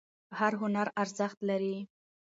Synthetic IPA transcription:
haɾɦʊnaɾaɾzaxt̪laɾi

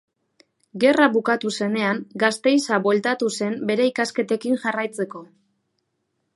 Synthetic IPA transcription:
ɡe̞raβukat̪use̞ne̞aŋɡast̪e̞jsaβwe̞lt̪at̪use̞mbe̞ɾe̞ikaske̞t̪e̞kinʝarajt͡se̞ko̞

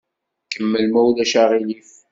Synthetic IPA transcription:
kəmːəlmæwlæʃaʁilif

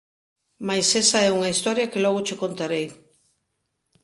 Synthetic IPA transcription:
majsesaɛuŋɐist̪ɔɾjɐkelɔɣʊt͡ʃekont̪aɾej

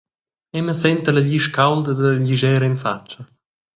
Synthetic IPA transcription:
ɛməsɛnt̪əlaʎiʃkawld̪əd̪əʎiʒɛːɾəinfat͡ʃːɐ

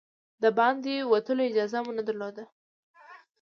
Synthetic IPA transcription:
d̪əbɑnd̪ewat̪əloɪd͡ʒɑzamunad̪aɾlod̪a

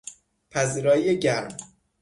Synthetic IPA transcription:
pʰæziːɾɒːjijeɟæɾm

